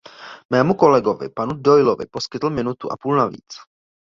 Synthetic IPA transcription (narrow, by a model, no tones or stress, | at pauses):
mɛːmuko̞lɛɡo̞vɪ̰panudo̞jlovɪ̰po̞skɪt̪l̩mɪnut̪uʔa̰puːlnavḭːt͡s